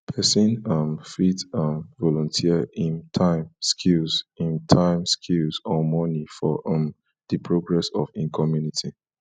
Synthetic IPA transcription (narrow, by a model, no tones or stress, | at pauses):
pʰɛsĩnʌ̃mfitʌ̃mvɔlɔ̃ntʰiəĩntʰãɪ̃mskʰilzĩntʰãɪ̃mskʰilzɔmɔnifɔ̰ʔʌ̃m | dɨpʰɹoɡɹɛsɔfĩnkʰɔmjunitʰi